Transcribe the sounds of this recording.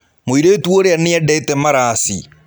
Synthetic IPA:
moiɾeːtwoɾeaneadɛtɛmaɾaːsi

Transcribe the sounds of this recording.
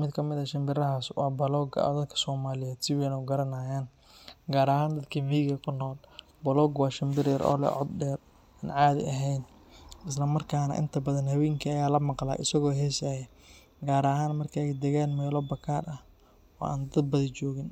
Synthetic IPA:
mɪd̪kʰɐmɪðɐʃɐmbɪrɐɦaswɑ̰ːbɐlɔɡɔ̰d̪ɐd̪kʰɐ̥sɔːmaːlɪjɛːd̪sɪwɛnɔɡɐɾɐnaːjaːn | ɡaːɾɐhaːnd̪ɐd̪kʰɐviːɣɐkʰʊnɔːl | bɐlɔːɡwɑːʃɐmbɪɾɛɾʔɔ̰ːlɛ̰ʕɔ̰d̪̚ɖɛːr | aːnʕaːðɪ̰ʔɐɦɛjn | ɪs̬lɐmɐrkʰaːnɐ̰ʔɪ̰nt̪ʰɐbɐðɐnhɐβɛːŋkʰiɐjaːlɐmɑqla̰ːʔɪsɐɣɔːɦɛːsaːjɐ | ɡaːɾɐɦaːnmɐrkʰɐjd̪ɛɣaːnmɛːlɔbɐkʰaːrɐh | ɔ̰ːʔa̰ːnd̪ɐd̪̚bɐðɪt͡ʃɔːɣɪn

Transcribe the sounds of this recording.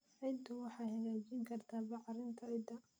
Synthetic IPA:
ɛjt̪ʰʊwɑħɑjhɐɣaːt͡ʃɪŋkʰɐrt̪ʰaːbɑʕɑɾɪnt̪ʰɐɪd̪ɐ

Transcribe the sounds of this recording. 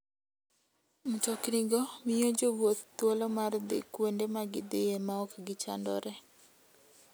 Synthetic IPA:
mutɔkniɡɔmɪjɔd͡ʒowot̪ːwɔlɔmard̪ɪ̰kwondemaɡɪd̪ɪemaɔkɡɪt͡ʃa̰ndɔ̰ɾɛ

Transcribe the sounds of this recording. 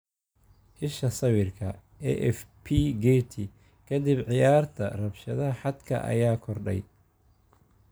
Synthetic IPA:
hɪʃɐsɐwɪrkʰɐ | ɛʔɛfpʰiɡɛt̪ʰi | kʰɐd̪ɪbʕɪjaːrt̪ʰɐ̰rɐbʃɐðɐħɑd̪kʰɐ̰ʔɐ̰jaːkʰɔrɖɛ̰j

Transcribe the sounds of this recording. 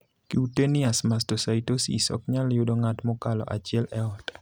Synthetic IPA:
kiutenɪasmastɔsaitosḭsɔ̰kɲaljʊdoŋatmɔkalɔ̰ʔa̰t͡ʃɪɛlɛɔtɛ̥

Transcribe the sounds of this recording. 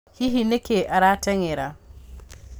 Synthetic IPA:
hiɦinekeʔaɾateŋeɾa

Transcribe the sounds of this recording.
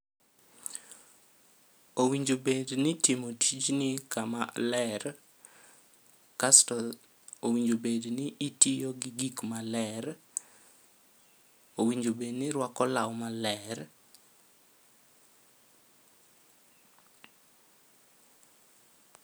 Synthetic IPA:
owiɲd͡ʒobednɪtimotʰit͡ʃnɪkama̰lɛr | kastɔl | owiɲd͡ʒobednɪʔːtijoɡɪɡikmalɛr | owiɲd͡ʒobednɪɾwakɔlawmalɛr

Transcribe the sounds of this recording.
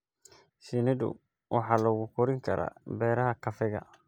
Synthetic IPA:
sinɪd̪ʊ̰ | wʔɑħɑːlɔɣʊkʰɔɾɪŋkʰɐɾa̰ːbɛːɾɐɦɐkʰɐfɪɣɐ̰

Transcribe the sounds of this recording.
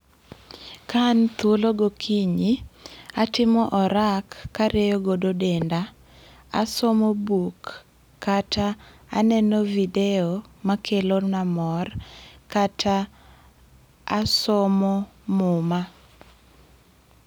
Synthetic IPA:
kant̪oloɡokʰiɲiatɪmɔʔɔɾakːaɾejoɡododenda | a̰somobukː | ataa̰nɛnɔvideɔmakʰelonamɔrkatʰa | asɔmɔmʊma

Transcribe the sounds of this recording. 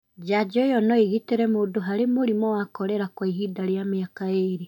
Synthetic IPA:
d͡ʒad͡ʒɔjɔnɔiɣiteɾɛmoːndoɦaɾemoɾimɔwakɔɾɛɾakwaiɦidaɾjameakaeɾi

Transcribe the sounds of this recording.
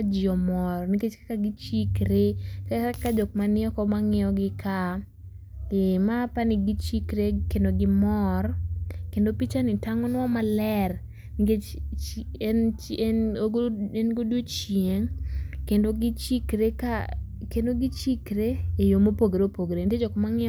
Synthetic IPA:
ad͡ʒɪɔmɔrniket͡ʃkḁkaɡɪt͡ʃikɾekaakad͡ʒɔk̚manɪɔkɔmaŋɪɔɡɪka | kɪmapanɪɡit͡ʃikɾekendoɡɪmɔrkendopit͡ʃanɪtaŋɔnwɔmalɛr | niket͡ʃt͡ʃɛnt͡ʃ | enɡodwot͡ʃjeŋkendoɡɪt͡ʃikɾeka | kendoɡɪt͡ʃikɾeːjomopoɡeɾopoɡɾented͡ʒɔkɔmaŋɪ

